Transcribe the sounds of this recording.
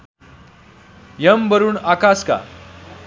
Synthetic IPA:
jəmbəɾuːnakaska̰

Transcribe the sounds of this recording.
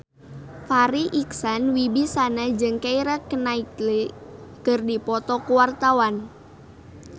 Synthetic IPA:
faɾiʔiksanwibisanad͡ʒɨŋkaiɾakənaiklekərdipɔt̪ɔkuwart̪awan

